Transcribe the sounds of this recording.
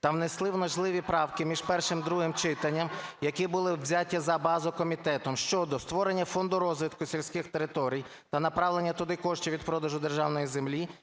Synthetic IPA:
t̪ɐwnɪslˠɪwnɐʒlˠɪʋʲipɾɑwkɪmʲiʒpɛrʃɪmd̪ɾuɦɪmt͡ʃɪt̪ɐnʲːɐmjɐkibʊlˠɪzʲatʲːizɐbɑzʊkɔmʲit̪ɛt̪ɔmʃt͡ʃɔd̪ɔst̪ʋɔɾenʲːɐfɔnd̪ʊɾɔzʋɪt̪kʊsʲilʲsʲkɪxt̪eɾɪt̪ɔɾʲij | t̪ɐnɐpɾɑwlˠenʲːɐt̪ʊd̪ɪkɔʃt͡ʃiʋʲid̪pɾɔd̪ɐʒʊd̪erʒɑwnɔjizemlʲi

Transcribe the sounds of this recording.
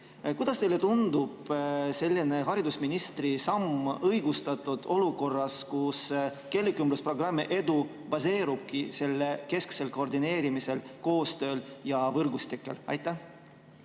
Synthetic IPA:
kujd̪̥ɑst̪e̞jle̞t̪und̪ub̥se̞lʲːine̞ɦɑɾid̪usminist̪risɑmɤjɡ̥ust̪ɑt̪ˑːud̪̥o̞luko̞rːɑskuske̞lːikymbluspro̞ɡrɑmːiʔe̞d̪u | b̥ɑse̞ːɾub̥̚kise̞lːeke̞skse̞lko̞rd̪ine̞ːɾimise̞lko̞ːst̪ø̞ːljɑvɤrɡust̪ikːˑe̞̰lɑ̰jt̪ːˑæh

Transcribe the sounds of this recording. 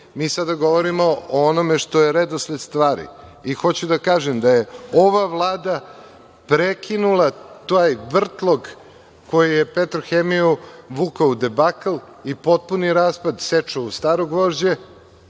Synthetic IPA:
miːsad̪aɡo̞ʋoɾimo̞oonome̞ʂt̪o̞jeɾed̪osled̪st̪ʋaːɾḭixo̞t͡ɕud̪akaːʒemd̪ajeoʋaʋlˠaːd̪a | pɾekʰinulˠat̪ojʋr̩t̪lˠo̞ɡ | ko̞jijepet̪ɾoxemiuʋukaud̪ebakl | ipo̞t̪̚puniɾaːspad̪set͡ʂaust̪aːɾoɡʋoːʒd͡ʑe

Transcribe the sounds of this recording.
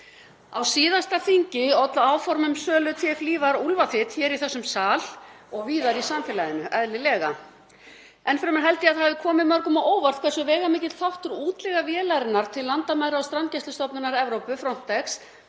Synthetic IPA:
awsiːðast̪afiɲcɪɔt̪laaːwfɔɾmʏmsœːlʏt̪ʰɛfliːvaɾulvaθɪt̪çɛːɾiθɛsːʏmsaːl | ɔɣviːðaɾisamfɪlajðɪnːʏʔaðlɪlɛːɣa | ɛnfɾɛmaɾɦɛlt̪ɪaðɦaːvðɪkʰɔːmɪmœɾkʏmaʔoːwvaɾ̥t̪kʰvɛrsʏvɛːɣamɪːcɪt̪θawht̪ʏɾuːt̪lɛɣavjɛːlajɾɪnːaɾ̥t̪ʰɪlːant̪amajɾaɔst̪ɾancɛst̪ʏst̪ɔpnʏnaɾɛvɾowpʏfɾɔn̥t̪ɛxs

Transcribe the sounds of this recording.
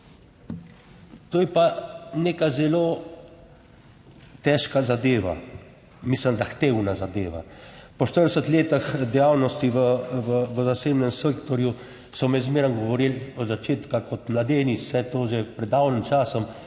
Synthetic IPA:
t̪oːjɛpaneːkazɛloː | t̪ɛːʃkazad̪eːʋa̰ | misləmzaxt̪eːwnazad̪eːʋa̰pɔʃt̪ərd̪ɛsət̪leːt̪axd̪ɛjaːwnɔst̪iʋəʋəʋəzaseːbnɛmsekt̪ɔɾju | sɔmɛzmeːɾənɡɔʋɔɾiːlɔd̪zat͡ʃeːt̪kakɔt̪mlad̪eːnisɛt̪oːʒɛpɾɛd̪ːawnimt͡ʃaːsɔm

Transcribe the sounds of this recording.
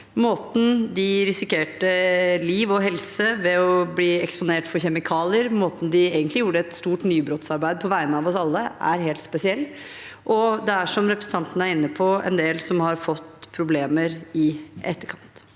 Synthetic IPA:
moːt̪n̩d̪ɪɾɪsɪkeːʈəliːʋɔɦɛlsəʋɛɔbliːɛkspʊneːʈfɔɾçɛmɪkʰɑːlɪəɾmoːt̪n̩d̪ɪeːɡənt̪lɪjuːɾəɛt̪st̪uːʈnyːbɾot̪sɑɾbæɪd̪əpʰɔʋæɪənəɑʋɔsɑlːəæɾɦeːlt̪spɛsɪɛlː | ʔɔd̪ɛæʂɔmɾɛpɾəsn̩t̪ɑnt̪ənəæɾɪnːəpʰɔɛ̰nd̪eːlsɔmhɑɾfɔt̪ːpʰɾʊbleːməɾɪʔɛ̰t̪ːəkʰɑnt̪

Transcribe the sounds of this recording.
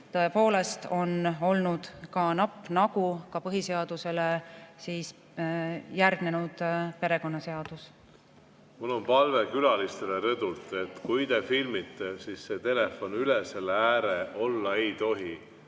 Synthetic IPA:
t̪ɤe̞po̞ːle̞st̪o̞no̞lnud̪̥kɑnɑpːˑnɑɡ̥ukɑpɤɦise̞ɑd̪̥use̞lesiːs | jærɡ̥nenud̪̥pe̞ɾe̞ko̞nːɑse̞ɑd̪̥us | mulːo̞npɑlve̞kylɑlist̪e̞leɾɤd̪ult̪ˑet̪kujd̪efilmit̪ːˑesisːe̞t̪e̞le̞fo̞nylese̞lːeæːɾeʔo̞lːɑe̞jt̪o̞ɦi

